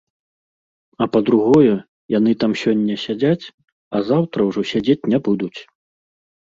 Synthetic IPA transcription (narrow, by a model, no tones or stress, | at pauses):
ɐpɐd̪ɾuɣɔjɛ | janɨt̪amsʲɔnʲːɐsʲad͡zʲat͡sʲ | ɐzawt̪ɾɐwʐɔsʲad͡zʲet͡sʲnʲɛbud̪ut͡sʲ